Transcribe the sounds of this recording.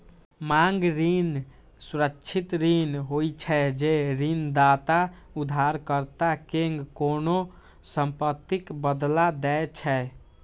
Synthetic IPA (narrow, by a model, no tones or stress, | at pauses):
maŋɡɾin | suɾəkːt͡ʃʰit̪ɾinɦojt͡ʃʰɛd͡ʒeɾind̪at̪a | ud̪ʱaɾkəɾt̪akeŋɡkono | səmpət̪ːikbəd̪lad̪ɛet͡ʃʰɛ